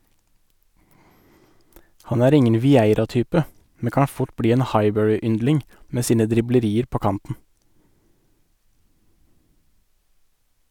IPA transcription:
ˈhɑn ˈæːɾ ˈɪŋən ʋɪˈæɪɾɑˌtyːpə ˈmɛ ˈkɑː ˈfʊʈ ˈbɽiː ˈeːn ˈhɑɪˌbœɹɪˌʏndlɪŋ ˈmeː ˈsiːnə dɾɪbləˈɾiːəɾ ˈpoː ˈkɑntn̩

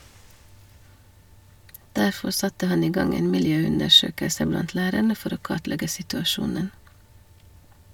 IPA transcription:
ˈdæɾfɔɾ ˈsɑtə ˈhɑn ˈiː ˈɡɑŋ ˈeːn mɪlˈjøːˌʉndəˌʃøːkəsə ˈblɑnt ˈlæːɾæɳə ˈfɔɾ ˈoː ˈkɑtˌlɛɡə sɪtʉɑˈʃuːnən

